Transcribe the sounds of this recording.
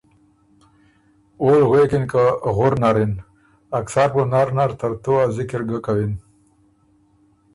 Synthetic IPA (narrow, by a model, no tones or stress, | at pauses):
olɣwekinkaɣʊɾnaɾin | aksaɾponaɾnaɾt̪aɾt̪oazɪkɪɾɡəkawin